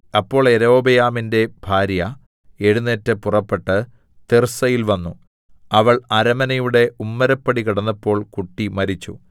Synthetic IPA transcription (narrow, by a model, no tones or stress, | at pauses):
ɐpːo̞ːɭe̞ɾo̞ːbɐjaːminde̞bʱaːɾjɐ | e̞ɽunːeːtːɨpurɐpːe̞ʈːɨ | t̪ersɐjilʋɐnːu | ɐʋɐɭɐɾɐmɐnɐjuɽe̞ʔumːɐɾɐpːɐɽikɐɽɐnːɐpːo̞ːɭkuʈːimɐɾit͡ɕːṵ